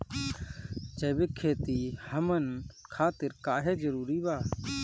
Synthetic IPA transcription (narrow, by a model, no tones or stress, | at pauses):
t͡ʃəjbɪkʰːeːt̪ihəmənkʰaːt̪ɪɾkaːɦɛd͡ʒəɾuːɾibaː